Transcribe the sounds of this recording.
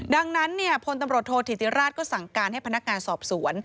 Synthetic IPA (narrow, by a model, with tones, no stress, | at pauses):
da˧ŋna˦˥nːi˥˩əpʰo˧nt̪a˧mɾu˨˩ət̪ʰːoː˧t̪ʰi˨˩t̪i˧˥ɾaː˥˩t̪̚kɔː˥˩sa˨˩ŋkaː˧nha˥˩pa˧na˦˥k̚ŋaː˧nsɔː˨˩p̚su˩˦ən